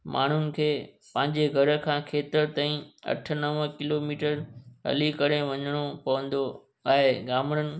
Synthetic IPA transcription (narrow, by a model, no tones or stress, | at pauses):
mʔa̰ːɳ̤ʊnɪ̆kʰeːpɐ̃ɦɪ̃ɲd͡ʑeɡʱɐɾə̆kʰãːkʰeːt̪əɾt̪aːĩɐ̰ʈʰə̆nɐʋkɪloːmiːʈəɾɦɐ̰likɐɾeʋɐ̃ɲəɽ̃opɐʋə̃nd̪o | aːɦeɡaːmɽ̃ənɪ̆